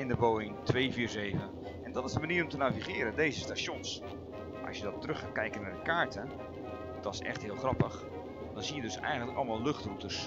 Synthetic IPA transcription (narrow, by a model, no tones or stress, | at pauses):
ɪndəboːɪŋtʰʋeːviːrzeːvə | ɛndɔtɪzdəmaniːəɾɔmtənaviχɪːɾədeːzəstasjons | ʔɑ̰sjədɔttrɵxkaːkɛjkənaɹdəkaːɹtʰə | dɔsɛ̰xtɦɪəlˠxrɑpəx | d̥ɔnzijədɵsɛ̰jɣəntləkɑ̰lˠmalˠlɵxtrutəs